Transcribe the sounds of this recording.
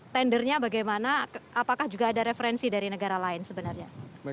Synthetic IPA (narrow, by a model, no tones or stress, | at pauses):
t̪ɛndərɲabaɡajmanaapakahd͡ʒuɡaːdaɾefəɾɛnsidaɾinəɡaɾalaɪnsəbənarɲa